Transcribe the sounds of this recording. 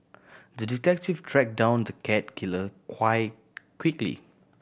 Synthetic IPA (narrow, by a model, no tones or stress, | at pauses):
dəditɛk̚tiftʰɹɛk̚dãʊ̃ndəkʰɛt̚kʰiləkʰwaɪt̚ | kʰwiklḭ